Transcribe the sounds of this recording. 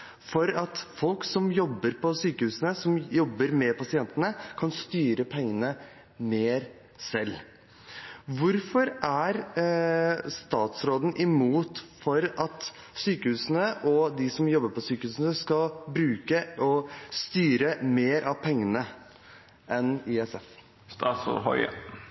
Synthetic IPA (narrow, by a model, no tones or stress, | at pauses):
fɔɾɑt̪fɔlksɔmjɔbːəɾpʰɔsyːkəhʉːsənəsɔmjɔbːəɾmɛpʰɑsɪɛnt̪ənəkʰɑnst̪yːɾəpʰɛŋːənə | meːɾ | sɛlː | ʋʊɾfɔɾæɾ | st̪ɑːt̪sɾoːd̪n̩ʔɪmuːt̪fɔɾɑt̪ | syːkəhʉːsnəʔɔd̪ɪsɔmjɔbːəɾpɔsyːkəhʉːsnəskɑlbɾʉːkəʔɔst̪yːɾəmeːɾʔɑʋpʰɛŋːənə | ʔɛnɪɛsɛf | sɦɔ̰ʏ̰